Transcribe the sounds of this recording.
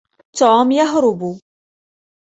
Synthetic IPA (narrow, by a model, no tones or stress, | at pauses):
t̪oːmjaɦɾʊbu